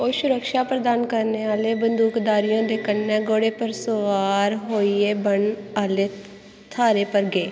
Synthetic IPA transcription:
oːʃʊɾəkʃaːpɾəd̪aːnkəɾneːaːleːbənd̪uːkd̪aːɾijõːd̪eːkənːɛːɡoːɽeːpəɾsoʋaːɾɦoːiːeːbəɳaːleː | t̪ʰaːɾeːpəɾɡeː

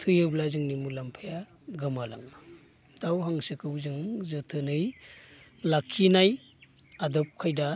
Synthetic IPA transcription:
tʰɯjɯblazɯŋnimulampʰaja | ɡɯmala̰ŋa | dawɦaŋsɯkʰɯwzɯŋzɯtʰɯnɯj | lakʰinaj | adɯp̚kʰajda

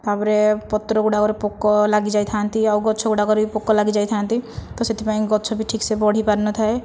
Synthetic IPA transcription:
t̪abɾepɔt̪ːɾɔɡuɽakɔɾipokːɔlaɡid͡ʒait̪ʰant̪iauɡɔtːt͡ʃʰɔɡuɽakɔɾbipokːɔlaɡid͡ʒajt̪ʰant̪it̪ɔset̪ipaĩɡɔtːt͡ʃʰɔbʱiʈʰiːksebɔɽ̤ipaɾnɔt̪ʰae

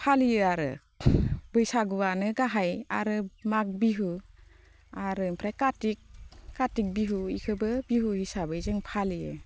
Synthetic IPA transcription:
pʰalijɯaɾɯ̰ | bɯjsaɡuwanɯɡaɦaja̰ɾɯmak̚biɦu | aɾɯmpʰɾajkatik̚ːatik̚biɦuḭkʰɯbɯbiɦuhisabɯizɯŋpʰalijɯ̰

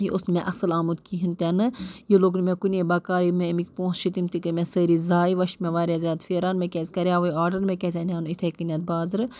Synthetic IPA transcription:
jiʔʊsnmẽʔɐsɨlaːmut̪kiɦint̪enɨjiloːknmẽkunʲebɐkaːɾimẽmikʲpõːsʃʰit̪imt̪ikɨmʲẽsəːɾizaːiʋɐʃmẽʋaːɾʲjaːzʲjaːd̪feːɾaːnmẽkʲesʲkɐɾʲjaːʋɐaːɾɖɐɾmẽkʲesʲɐnanit̪ʰekinʲɐt̪̚baːzɨɾ

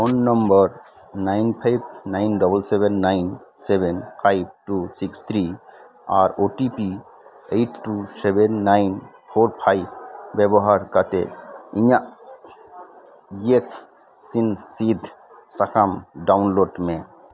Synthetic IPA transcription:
ɔnːɔmbəɾ | najnpʰajb̚najnɖɔbəlsebenːajnsebenpʰajb̚ʈusikst̪ʰɾi | a̰ɾoʈipi | ejʈʰʈːusebʱenːajnpʰoɾpʰajb̚bɛbɔɦaɾkat̪ḛija | ek | sinsid̪ʱ | sakʰamɖawnloɖme

